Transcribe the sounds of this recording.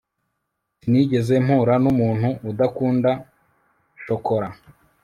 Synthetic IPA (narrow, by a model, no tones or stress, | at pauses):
siniɟe̞ze̞m̥huːɾanumuːn̥huʔːdakuːnda | ʃo̞ko̞ɾa